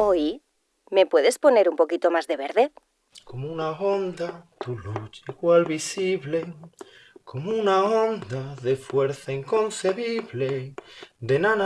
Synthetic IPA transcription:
oj | me̞pwe̞ðe̞spo̞ne̞ɾumpo̞kit̪o̞mazðe̞βeɾðeð | komunao̞nd̪at̪ulut͡ʃiɣwalβisiβle̞ | ko̞munao̞nd̪aðe̞fwe̞ɾθaiŋko̞nseβiβled̪enan

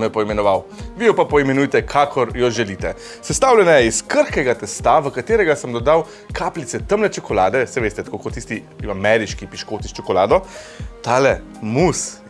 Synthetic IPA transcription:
nɔjɛpɔimɛnɔʋawʋijɔpapɔimɛnujt̪ɛkʰaːkʰɔɾjɔʒɛliːt̪ɛ | sɛst̪aːwlʲɛnɛjɛiskəɾxkɛɡat̪ɛst̪aʋəkat̪eːɾɛɡasəmd̪ɔd̪aw | kʰaːplit̪sɛt̪əmlɛt͡ʃɔkɔlaːd̪ɛsɛʋeːst̪ɛt̪koːkot̪ːist̪i | amɛɾiʃkipiʃkoːt̪ist͡ʃɔkɔlaːd̪ɔt̪alɛ | mus

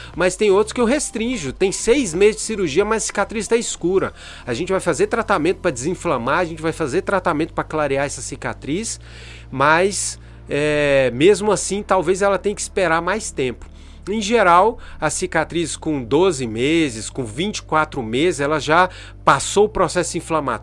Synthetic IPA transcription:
mɐst̪ẽj̃owt̪ɾʊ̥skɪʊɦest̪ɾĩʒʊt̪ẽj̃sejzmezɪzd͡ʒɪsiɾuɾʒiɐmɐzɐsi̥kat̪ɾist̪ɛiskuɾɐ | ɐʒẽnt͡ʃɪvajfazeɾt̪ɾat̪amẽt̪ʊ̥pɾɐd͡ʒɪzĩflɐ̃maɾɐʒẽnt͡ʃɪvajfazeɾt̪ɾat̪amẽnt̪ʊpɾɐklaɾiaɛsɐsika̰t̪ɾis | mɐs | ɛmezmʊasĩt̪awvezɛlɐt̪ẽj̃kɪ̥speɾaɾmajst̪ẽpʊ̥ | ẽj̃ʒeɾawɐsikat̪ɾiskõd̪ozɪmezɪskõvĩnt͡ʃɪ̥kwat̪ɾʊmezɪzɛlɐʒa | pasoʊpɾosɛsʊĩflɐ̃ma̰

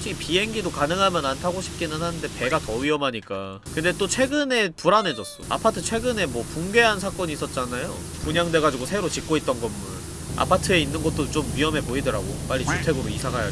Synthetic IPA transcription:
t͡ɕʰiipie̞ŋɡidokanɯŋɦamjʌnantʰaɡoɕʰi̥p̚k͈inɯnhanɯnde̞pe̞ɡatʌɥiʌmɦaɲik͈a | kɯnde̞t͈ot͡ɕʰwe̞ɡɯne̞puɾane̞d͡ʑʌs͈ʌa̰pʰatʰɯt͡ɕʰwe̞ɡɯne̞mwʌpuŋɡe̞ɦansʰak͈ʌɲiːs͈ʌt̚t͡ɕ͈anajo | uɲaŋde̞ɡad͡ʑiɡosʰe̞ɾot͡ɕik͈̚oit̚t͈ʌnɡʌmːun | a̰pʰatʰɯe̞inːɯnɡʌt̚t͈ot͡ɕ͈omɥiʌme̞poidɯɾaɡo̰p͈aʎːiutʰe̞ɡoɾoisʰaɦaja̰

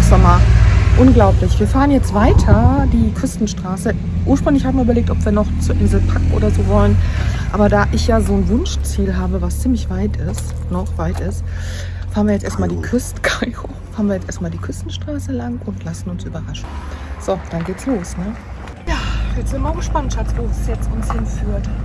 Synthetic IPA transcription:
z̥ɔmɐʔʊnɡlaʊplɪçv̥iːɐfaːʁənjɛt͡stv̥aɪtʰɐd̥iːkʰʏstn̩ʃtʁ̥aːsə | ʔuːɐʃpʁ̥ʏŋlɪçhaːbm̩viɐʔybɐleːk̚tʔɔpv̥iːɐnɔχt͡suɐʔɪnzl̩pʰakŋ̩ʔo̰ːdɐzoːvɔlənʔa̰ːbɐdaːʔɪçjaːzoːnvʊnʃt͡siːlɦaːbəvast͡siːmlɪçv̥aɪtʰɪst | nɔχv̥aɪtɪst | faːʁɐnviɐjɛt͡sʔḛːɐstmaːldiːkʰʏstkʰaɪʁo | faːʁənviːɐjɛt͡stʔeːɐstmaːldiːkʰʏstn̩ʃtʁ̥aːsəlaŋʊntʰlasn̩ʊnsʔyːbɐʁaʃn̩z̥od̥anɡeːtsloːsnə | jaːjɛt͡sz̥ɪmaɡəʃpanʃasv̥oːzsjɛt͡stʊnshɪnfyːɐt

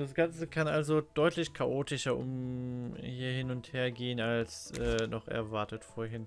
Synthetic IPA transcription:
d̥asɡ̥ant͡səkʰanʔalzod̥ɔʏtʰlɪçkʰaʔoːtɪʃɐʔʊ̰m | hiːɐhɪnʊntheːɐɡeːənalsʔɛːnɔχʔɛ̰ɐvaɐtətfoːɐɦɪn

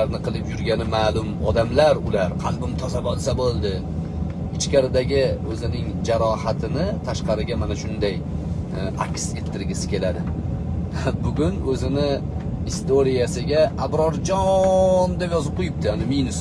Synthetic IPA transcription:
aɾnɪqʰɨlˠɪpjʊɾɡʲanɪmaːlʊmɒd̪amlaɾʊlaɾqʰɑlˠbɪmt̪ʰɒzabɒlˠsabolˠd̪ɪ | ɪt͡ʃkʲaɾɪd̪aɡʲɪɵzɪnɪŋd͡ʒaɾɒhat̪ʰɪnɪt̪ʰaʃqɑɾɪɡʲamanaʃʊnd̪aj | ʔa̰kʲse̞t̪ʰːɪɾɡʲɪsɪ̥kʲʰe̞lad̪ɪ | bʊɡʲʊnɵzɪnɪ | ɪst̪ʰoɾijasɪɡʲaabɾɒɾd͡ʒɒnd̪epjɒzɪp̚qʰojɪp̚t̪ʰɪanɪminʊs

